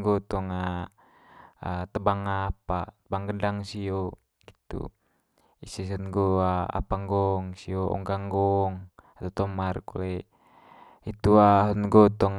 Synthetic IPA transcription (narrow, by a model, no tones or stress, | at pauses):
ɡɔt̪ɔŋa | at̪əbaŋapat̪əbaŋɡədaŋsio | ɡit̪ṵ | isisənɡoaa̰paŋɡɔŋsioɔ̰ŋɡaŋɡɔŋat̪at̪ɔmarkṵle | it̪uaɦɔnɡɔt̪ɔŋ